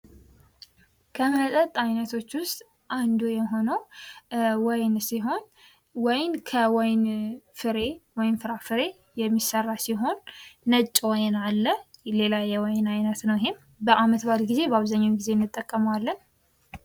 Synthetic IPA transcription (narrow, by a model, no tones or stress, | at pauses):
kʰəməsʼət̪ʼajnət̪ʰo̞t͡ʃːwʊst̪ʼ | ʔand̪ujɛɦo̞nəw | wɔjnsiɦo̞n | wɔjnkʰəwɔjnfɨɾe̞wɔjnfɨɾafɨɾe̞ | jɛmːisərːasiɦo̞nːət͡ʃʼːwɔjnalːəle̞lajɛwɔjnajnət̪nəwɪhɪm | bəʔamət̪baɾɡize̞bəaβzaɲːawɡize̞ɪnːɨt̪ʼːəkʼːəmwalːən